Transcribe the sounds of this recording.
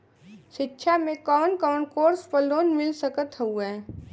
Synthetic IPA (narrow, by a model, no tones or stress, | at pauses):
ʃɪtːʃʰamẽkɔːnkɔːnkoːɾspəloːnmɪlsəkət̪ɦuɛː